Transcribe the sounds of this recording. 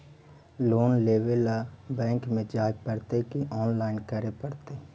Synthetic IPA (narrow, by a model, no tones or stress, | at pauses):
loːnleːʋelabɛ̃ːŋkmẽd͡ʒaːjpəɾt̪ekiʔɔːnlaːɪnkəɾepəɾt̪eː